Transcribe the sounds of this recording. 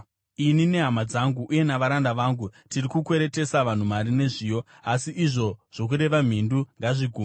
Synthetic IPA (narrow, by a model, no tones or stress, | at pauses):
inine̞ɦamad͡zaŋɡuʔːje̞naʋaɾandaʋaːŋɡutirikukwe̞ɾe̞te̞saʋan̤umaɾine̞ʐiːjo̞ | asiʔːʐo̞ʐ̥o̞k̬uɾe̞ʋam̤induŋɡaʐiɡʱum